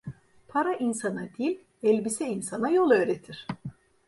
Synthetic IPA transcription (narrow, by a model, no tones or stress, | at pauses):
pʰaɾaʔinsanad̪ilʲ | ɛlʲbisɛinsanajo̞lˠø̞ːɾet̪ʰiɾ̝̥